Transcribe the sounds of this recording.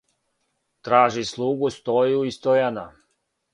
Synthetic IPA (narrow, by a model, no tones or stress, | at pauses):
t̪ɾaːʒislˠuɡust̪ojuist̪ɔjana